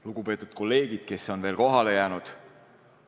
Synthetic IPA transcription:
luɡ̥upe̞ːt̪ːˑud̪̥̚ko̞lːe̞ːɡid̪̥̚ke̞so̞nve̞ːlko̞ɦɑle̞jæːnud̪̥

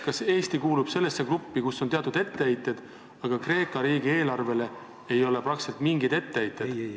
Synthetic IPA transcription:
kɑse̞ːst̪ikuːlub̥se̞lːe̞sːe̞krupːikusːo̞nt̪eɑt̪ˑud̪e̞t̪ːe̞ejt̪ːˑe̞d̪̥ | ɑɡ̥ɑkre̞ːkːˑɑɾiːɡ̥ie̞ːlɑrve̞le̞ | e̞jo̞le̞prɑkselt̪miŋɡid̪e̞t̪ːe̞ejt̪ːˑe̞̥

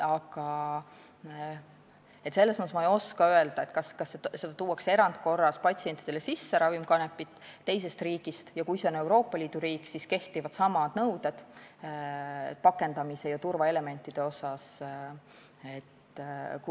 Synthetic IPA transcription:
ɑɡ̥ɑ | e̞t̪se̞lːesɑnɑsmɑejo̞skɑøeld̪̥ɑe̞t̪kɑskɑsːese̞d̪ɑt̪uːwːɑkse̞ɾɑnt̪ko̞rːɑspɑt̪ʲsie̞nʲt̪ːˑid̪elesisːe̞ɾɑvimkɑnepːˑit̪ˑːe̞jse̞st̪riːɡ̥ist̪jɑkujseo̞ne̞wɾo̞ːpːˑɑlʲiːd̪uɾiːkːˑsiske̞ht̪ivɑd̪̥sɑmɑd̪̥nɤwd̪̥e̞d̪̥ | pɑkːe̞nd̪̥ɑmise̞jɑt̪urvɑe̞le̞me̞nʲt̪ˑːid̪̥e̞o̞sɑs | e̞t̪k

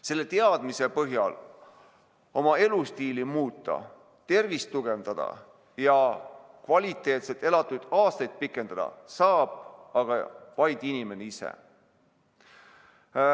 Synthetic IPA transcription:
se̞lːe̞t̪e̞ɑd̪̥mise̞pɤɦjɑl | o̞mɑe̞lust̪iːlimuːt̪ːˑɑ̰ | t̪e̞rvist̪uɡ̥e̞nd̪̥ɑd̪̥ɑ̰ | jɑ | kvɑlʲit̪ːˑe̞ːt̪set̪ːˑe̞lɑt̪ːˑud̪̥ɑːst̪ɑjd̪̥̚pikːˑe̞nd̪̥ɑd̪̥ɑ̰sɑːb̥̚ɑɡ̥ɑ̰vɑjd̪̥inʲime̞neisḛ

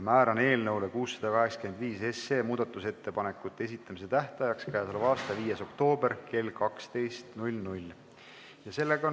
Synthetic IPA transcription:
mæːɾɑne̞ːlnɤwlekuːsːɑd̪̥ɑkɑɦe̞ksɑke̞nd̪viːse̞seːmuːd̪̥ɑt̪ːˑuse̞t̪ːe̞pɑne̞kːˑut̪ːˑee̞s̬it̪ːˑɑmise̞t̪æht̪ɑjɑkskæjɑsɑlvɑːst̪ɑviːjeso̞kt̪o̞ːbe̞rke̞lkɑkst̪e̞jst̪nulʲnulʲ | jɑse̞lːe̞ɡ̥ɑo

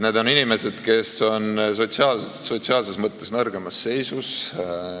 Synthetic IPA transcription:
ne̞ːd̪̥o̞ninime̞se̞d̪̥ke̞so̞nso̞t̪siɑːlseːo̞t̪siɑːlse̞smɤt̪ːe̞snɤrɡ̥e̞mɑsːe̞jsus

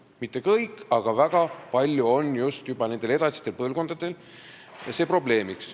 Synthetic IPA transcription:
mit̪ˑːe̞kɤjkːˑɑɡ̥ɑvæɡ̥ɑpɑlʲːjuo̞njust̪jub̥ɑne̞nd̪e̞le̞d̪̥ɑsi̥st̪e̞lpɤlɡo̞nd̪̥ɑd̪̥e̞l | ɑse̞ːpro̞ble̞ːmiks

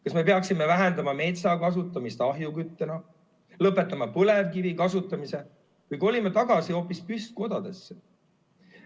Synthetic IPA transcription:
kɑsme̞pe̞ɑksimevæɦend̪ɑmɑme̞ːt̪sɑkɑs̬ut̪ːˑɑmist̪ɑɦjukyt̪ːenɑ | lɤpːˑe̞t̪ːˑɑmɑpɤle̞vkivikɑsut̪ːˑɑmise̞ | kujɡo̞lʲimet̪ɑɡ̥ɑsio̞ːpːispyst̪̚ko̞d̪ɑd̪̥e̞sːe

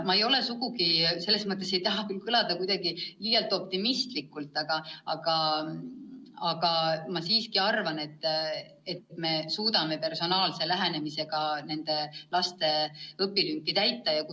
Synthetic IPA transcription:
mɑe̞jo̞le̞suɡuɡise̞lːe̞smɤt̪ːˑese̞jt̪ɑɦɑkylkɯlɑd̪̥ɑkujd̪̥ɑɡiliːjɑlt̪ːˑo̞p̚t̪imist̪likːˑult̪ːˑɑɡ̥ɑɑɡ̥ɑ | ɑɡ̥ɑmɑsiːskiɑrvɑne̞t̪ːˑ | ett̪ːme̞suːd̪ɑme̞pe̞rso̞nɑːlse̞læɦæne̞mise̞ɡ̥ɑne̞nd̪̥e̞lɑst̪e̞ɤpːilyŋkːˑit̪æjt̪ːɑjɑk

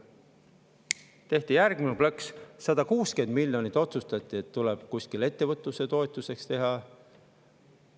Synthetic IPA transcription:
t̪e̞ht̪ijærɡ̥mineplɑkssɑd̪̥ɑkuːske̞nd̪̥milʲjo̞nit̪ːˑo̞t̪sust̪ɑt̪ʲˑːie̞t̪ːuleb̥kuskile̞t̪ːe̞vɤt̪ːˑuse̞t̪o̞e̞t̪ˑːuse̞kst̪e̞ɦɑ

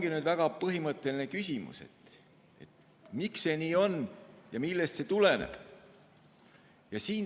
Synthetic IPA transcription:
ŋɡ̥inyːd̪væɡ̥ɑpɤɦimɤt̪ːˑe̞line̞kysʲimṵse̞̰t̪ | e̞̰t̪ | mikse̞niːo̞njɑmilːe̞st̪se̞t̪ule̞nḛb̥ | jɑsiːn

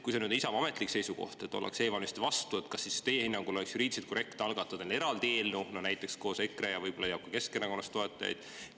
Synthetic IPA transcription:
kujsenyd̪nisɑvɑme̞t̪ˑlikse̞jsuko̞̰ht̪e̞t̪ːˑo̞lḛkse̞ːvɑlmist̪vɑst̪uet̪kɑsːist̪e̞jehinːɑŋɡ̥ulo̞leksjuɾiːd̪iset̪ko̞ɾe̞kt̪eɑlɡ̥ɑt̪ːˑud̪ene̞ɾɑld̪eːlnunonæjt̪ːˑe̞ksko̞ːsekːrejɑvɤjb̥o̞lːɑjɑːp̚kɑke̞skenːɑkonːɑst̪oe̞t̪ːˑɑjɑ̰jd̪̥

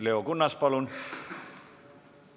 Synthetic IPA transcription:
leokunːɑspɑlun

